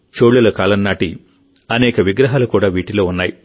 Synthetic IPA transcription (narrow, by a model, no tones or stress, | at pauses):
t͡ʃoːɭːulɐkaːlɐnnaːʈi | ɐnɛːkɐʋiɡɾɐɦaːlukuːɽaːʋiːʈiloːunːaːji